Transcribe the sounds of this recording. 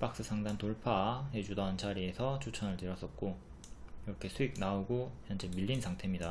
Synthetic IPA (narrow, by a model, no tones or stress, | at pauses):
p͈ak̚s͈ɯsʰaŋdantoɭpʰaɦe̞d͡ʑudoɦant͡ɕaɾie̞sʰʌt͡ɕʰot͡ɕʰʌnɯɭteɾʌs͈ʌt̚k͈o | iɾʌkʰe̞sʰuik̚naoɡoçjʌnd͡ʑemiʎːinsʰaŋtʰe̞mɲida